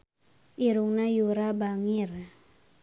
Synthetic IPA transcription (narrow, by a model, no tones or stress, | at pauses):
ʔiɾuŋnajuɾabaŋir